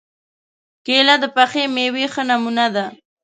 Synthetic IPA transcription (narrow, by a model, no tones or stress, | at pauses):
kelad̪əpaxemewexənamunad̪a